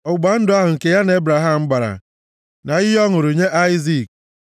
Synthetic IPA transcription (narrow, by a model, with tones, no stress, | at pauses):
ʊ˨ɡ͡ba˨n̩˦dʊ˦a˦ɦʊ˨ŋ̩˨ke˨ja˦na˨e˦bɾa˨ɦa˦m̩˦ɡ͡ba˨ɾa̰˨ | na˨ɪ˦jɔ˦ŋʊ˨ɾo˨ɲe˦ʔa˦ɪ˦zi˦˨k̚